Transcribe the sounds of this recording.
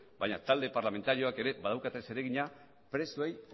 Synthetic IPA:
bajɲat̪ald̪e̞paɾlame̞nt̪aɾio̞ake̞ɾe̞bað̞awkat̪e̞se̞ɾe̞ɣiɲa | pɾe̞suej

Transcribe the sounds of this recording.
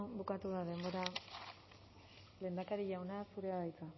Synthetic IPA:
bukat̪uðaðe̞mbo̞ɾa | le̞ːnd̪akaɾiʎawnasuɾeaðajt͡sa

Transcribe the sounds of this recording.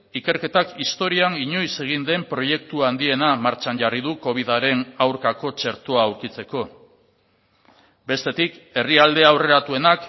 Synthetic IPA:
ike̞ɾke̞t̪akist̪o̞ɾianiɲo̞jse̞ɣ̞ind̪e̞mpɾo̞je̞k̚t̪uand̪ie̞namaɾt͡ʃanʝarið̞uko̞β̞iðaɾe̞nawɾkako̞t͡ʃe̞ɾt̪oaːwɾkit͡se̞ko̞ | be̞st̪e̞t̪ike̞riald̪e̞awre̞ɾat̪ue̞nak

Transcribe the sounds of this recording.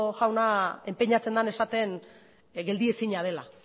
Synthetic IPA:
ʝawnae̞mpeɲat͡se̞nd̪ane̞sat̪e̞n | ɡeld̪ie̞siɲað̞e̞la̰

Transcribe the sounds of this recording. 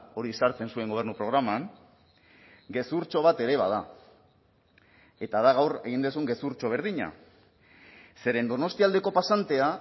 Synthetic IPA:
o̞ɾisaɾt͡se̞nsue̞ŋɡo̞βernupɾo̞ɣɾamaŋ | ɡe̞suɾt͡ʃo̞β̞at̪e̞ɾe̞βa̰ð̞a | e̞t̪aðaɣawre̞ɣind̪us̬uŋɡe̞suɾt͡ʃo̞β̞e̞ɾð̞iɲa̰ | se̞ɾe̞nd̪o̞no̞st̪iald̪e̞ko̞pasant̪e̞a

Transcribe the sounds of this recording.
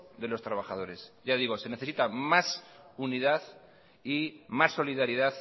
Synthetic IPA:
ðe̞lo̞st̪ɾaβaχaðo̞ɾe̞sʝaðiɣ̞o̞se̞ne̞θeit̪amasuniðaθ | imasːo̞liðaɾiðaθ

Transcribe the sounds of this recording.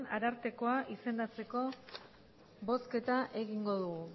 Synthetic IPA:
naɾaɾt̪e̞ko̞aʔise̞nd̪at͡se̞ko̞ | βo̞ske̞t̪aʔe̞ɣiŋɡo̞ðuɣu

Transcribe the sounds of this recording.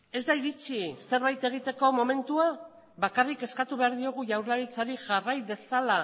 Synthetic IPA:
e̞zd̪aiɾit͡ʃise̞ɾβajt̪e̞ɣ̞it̪e̞ko̞mo̞me̞nt̪ua | βakarike̞skat̪uβe̞aɾðio̞ɣ̞uʝawɾlaɾit͡saɾiʝarajβe̞sala

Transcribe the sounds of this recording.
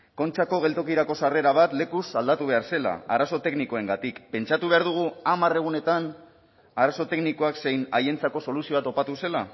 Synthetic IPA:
ko̞nt͡ʃako̞ɣ̞e̞lt̪o̞kiɾako̞sare̞ɾaβ̞at̪le̞kusald̪at̪uβ̞e̞aɾse̞la̰aɾaso̞t̪e̞kniko̞e̞ŋɡat̪ikpe̞nt͡ʃat̪uβe̞aɾðuɣ̞uamare̞ɣ̞une̞t̪an | aɾaso̞t̪e̞knikoakse̞jnaje̞nt͡sako̞so̞lusioat̪o̞pat̪use̞la

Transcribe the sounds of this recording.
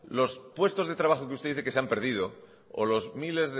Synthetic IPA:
lo̞spwe̞st̪o̞zðe̞t̪ɾaβaxokeust̪eðiθekeseampe̞ɾð̞ið̞o | o̰lo̞zmile̞zðe

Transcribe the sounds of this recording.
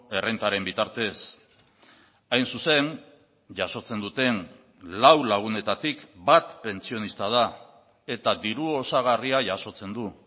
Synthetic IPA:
e̞rent̪aɾe̞mbit̪aɾt̪e̞s | ajnsuse̞n | ʝaso̞t͡se̞nd̪ut̪e̞n | lawlaɣ̞une̞t̪at̪ikbat̪pe̞nt͡sio̞nist̪að̞a | e̞t̪ad̪iɾuo̞saɣ̞ariaʝaso̞t͡se̞nd̪u

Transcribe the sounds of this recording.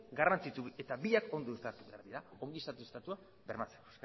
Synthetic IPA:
ɡarant͡sit͡sue̞t̪aβiako̞nd̪oest̪at̪uβḛa̰ɾðiɾao̞ŋɡist̪at̪ust̪at̪ua | beɾmat͡se̥ko̥sk

